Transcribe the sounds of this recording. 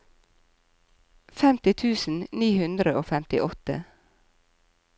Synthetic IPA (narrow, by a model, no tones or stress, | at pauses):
fɛmt̪ɪt̪ʰʉːsn̩niːhʉnd̪ɾəoːfɛmt̪ɪ̰ʔɔt̪ə̰